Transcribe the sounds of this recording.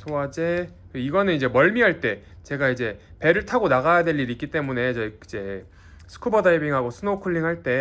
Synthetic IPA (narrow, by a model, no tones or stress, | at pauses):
sʰoad͡ʑekeiɡʌnɯnid͡ʑe̞mʌɭmiɦaɭt͈e̞t͡ɕe̞ɡaid͡ʑe̞pe̞ɾɯɭtʰaɡonaɣajadwe̞ʎːiɾik͈it͈e̞mune̞t͡ɕʌid͡ʑe̞ | sʰɯ̥kʰubʌdaibiŋɦaɡosʰɯnokʰuɭːiŋɦaɭt͈e̞